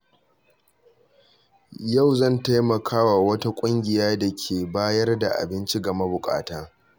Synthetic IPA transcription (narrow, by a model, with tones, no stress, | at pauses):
ja˦˨wzɐ˦˨nta˦jmɐ˨kʰaː˦wa˨wɐ˦ta˦kʷʼʊ˦ŋɡʲɪ˨jaː˦da˨kʲʰeː˨baː˦jɐ˦rda˨ʔa̰˨bɪ˦nt͡ʃi˦ɡɐ˨ma˦bʊ˨kʼa̰ː˨taː˦